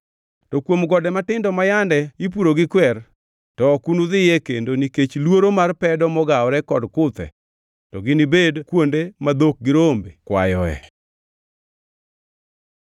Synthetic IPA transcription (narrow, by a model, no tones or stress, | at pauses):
tɔkwomɡɔdɛmatɪndɔmajandɛip̬uɾoɡɪkwɛr | tɔkunuðɪjɛkendoniket͡ʃlwoɾomarpɛdɔmɔɡaɔɾɛkɔdkʊt̪ɛ̰ | tɔɡɪnibedkwondemad̪ok̚ɡɪɾombekwa̰jɔɛ̰